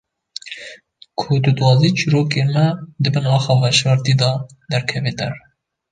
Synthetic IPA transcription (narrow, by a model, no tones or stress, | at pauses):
kʰot̪ud̪wɑːziːt͡ʃʰiɾoːkemɛd̪ɨbɨnɑxɑvɑʃvɑɾt̪iːd̪ɑ | d̪ɛɾkʰɛvet̪ɛ̰r